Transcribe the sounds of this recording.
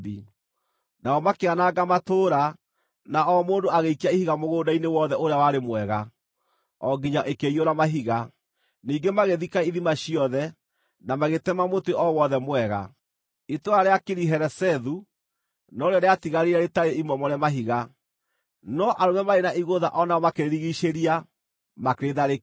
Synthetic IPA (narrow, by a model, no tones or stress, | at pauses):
bi | naɔmakeanaɡamatoːɾa | naʔɔmoːndoaɣeikiaihiɣamoɣoːdainewɔðɛoɾeawaɾemwɛɣa | ɔɡiɲaʔekeioɾamaɦiɣa | niːŋɡemaɣeðikaiðimaɕiɔðɛ | namaɣetɛmamotweʔɔwɔðɛmwɛɣa̰ | itoaɾeakeɾiɦɛɾɛsɛðu | nɔɾeɔɾeatiɣaɾeɾaɾetaɾeimɔmɔɾeamaɦiɣa | nɔʔaɾomɛmaɾenaʔiɣoða̰ʔɔnaɔmakeeɾiɣiʃeɾia | makɾeðaɾe